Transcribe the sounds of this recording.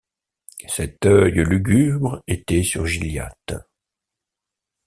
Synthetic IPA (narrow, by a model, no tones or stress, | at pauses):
sɛt̪œjlyɡʲybʁet̪ɛsyʁʒilja̰t̪